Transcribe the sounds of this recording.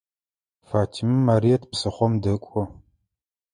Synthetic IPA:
faːtʰimɨmːaːɾijɛtʰpsɨχʷɔmdɐkʷʼɔ

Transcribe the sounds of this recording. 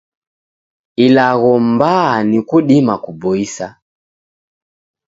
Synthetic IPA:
ilaɣɔmbanikuɗimakubɔisa

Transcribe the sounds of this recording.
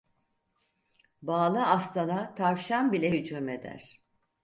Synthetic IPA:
baːlˠɯast̪ʰanat̪ʰaɾvʃanbilʲejyd͡ʒume̞d̪æ̰ɾ̥

